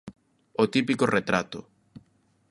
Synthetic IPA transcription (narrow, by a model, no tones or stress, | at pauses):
ot̪ipikoret̪ɾat̪ʊ̰